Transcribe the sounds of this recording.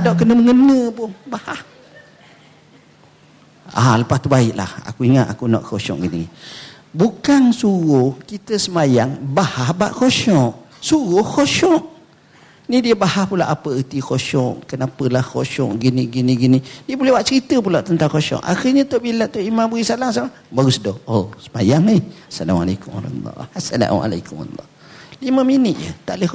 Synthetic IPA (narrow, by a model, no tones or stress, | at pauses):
adɔʔkənəməŋənəpʊnbahah | a̰ləpast̪ubaɪʔla̰ha̰kuiŋat̪a̰kunɔ̰ʔkoʃɔ̰ʔɡinḭ | bukansuɣʊhkit̪əsəmajaŋbahahba̰ʔkoʃɔʔsuɣʊhkoʃɔʔ | nidiəbahahpulaʔapəət̪ikoʃɔʔkənapəlahkoʃɔʔɡiniɡiniɡinidiəbolɛhwaʔ̚t͡ʃəɾit̪əpulaʔt̪ənt̪aŋkoʃɔ̰ʔa̰xilɲət̪oʔbilaʔt̪oʔimambəɣisalaŋsama | baɣusdɔhosə̥majaŋihasala̰ma̰lakuma̰ɾɑ̰t̪ṵlːɔ̰asala̰ma̰la̰kuma̰lˤːɔ̰h | liməminət̪̚jə̰t̪aʔlə